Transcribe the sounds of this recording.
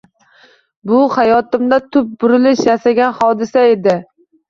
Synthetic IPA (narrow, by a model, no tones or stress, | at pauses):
bʊhajɒt̪ɪmd̪at̪ʰʊp̚bʊɾɪlɪʃjasaɡʲanhɒd̪ɪsae̞d̪ɪ